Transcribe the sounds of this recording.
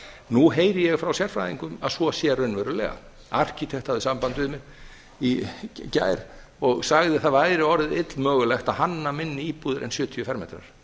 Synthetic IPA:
nuɦeːjɾɪjɛɣfɾawsjɛɾ̥fɾajðiŋkʏmaðsvɔsjɛrœnvɛɾʏlɛ̰ːɣa̰ | a̰r̥cit̪ʰɛht̪havðɪsampant̪ʏɪðmɪɾ | ica̰ːjɾ̥ | ɔɣsaɣðɪθaðvaːjɾɪɔɾðɪɪt̪lmœːɣʏlɛxt̪aðhanːamɪnːɪiːpuːðɪɾʔɛ̰nsjʏːt̪ʰiʏfɛɾmɛ̰jt̪ɾa̰ɾ̥

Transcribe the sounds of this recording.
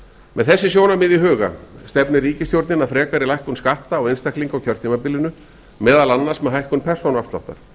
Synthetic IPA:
mʔɛðθɛsːɪsjownamɪðiɦʏːɣa̰st̪ɛpnɪriːcɪst̪jowɾt̪nɪnaðfɾɛːkaɾɪlajhkʏnskaht̪aːwejnst̪akliŋkawcʰœɾ̥t̪ʰimapɪlɪnʏ | mɛːðalanːasmɛðɦajhkʏnpʰɛr̥sownafst̪la̰ht̪a̰ɾ̥

